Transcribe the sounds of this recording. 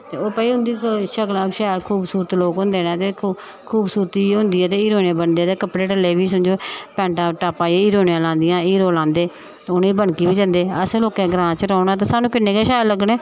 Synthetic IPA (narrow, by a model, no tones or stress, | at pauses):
t̪ḛːoːpəiːɦʊ̃nd̪iːkʃəklãːʃɛːɾkʰuːbsuːɾət̪loːkɦʊ̃nd̪eːnẽːt̪eː | kʰuːbsuːɾət̪iːɦʊ̃nd̪iːɛːt̪eːɪːɾoːniãːbənd̪eːt̪eːkəpɽeːʈəlːeːʋiːsəɲd͡ʒoːpɛ̃ːɳʈãːʈaːpãːieiːɾoːnijãːlãːnd̪ɪjãːiːɾoːlãːnd̪eː | ʊniːbəɳkiːbiːd͡ʒə̃nd̪eːəsloːkɛ̃ːɡɾãːt͡ʃɾəːnaːt̪̬ãːsaːnũːkɪnːeːɡeːʃɛːɾləɡɽeː